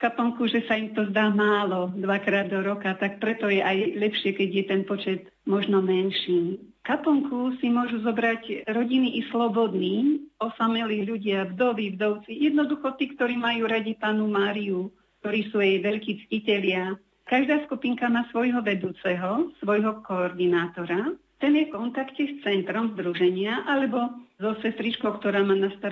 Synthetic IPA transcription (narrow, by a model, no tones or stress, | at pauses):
kapɔŋkuʒɛsaimt̪ɔzd̪aːmaːlɔd̪ʋakɾaːd̪ːɔɾɔkat̪ak̚pɾɛt̪ɔjɛʔajlɛpʃɪɛkɛɟjɛt̪ɛnpɔt͡ʃɛt̪ | mɔʒnɔmɛnʃiːm | kapɔŋkusimʊɔʒuzɔbɾacɾɔɟiniʔislɔbɔd̪niːɔsamɛliʎuɟɪabd̪ɔʋibd̪ɔʊt͡sijɛd̪nɔd̪uxɔt̪iːkt̪ɔɾiːmajuːɾaɟipaːnumaːɾiu | kt̪ɔɾiːsuːjɛjʋɛʎkiːt͡scicɛʎɪa | kaʒd̪aːskupiŋkamaːsʋɔjɦɔʋɛd̪uːt͡sɛɦɔsʋɔjɦɔkɔɔɾd̪inaːt̪ɔɾa | t̪ɛnjɛfkɔnt̪akcɛst͡sɛnt̪ɾɔmzd̪ɾuʒɛɲɪaʔalɛbɔzɔsɛst̪ɾit͡ʃkɔʊkt̪ɔɾaːmaːnast̪aɾ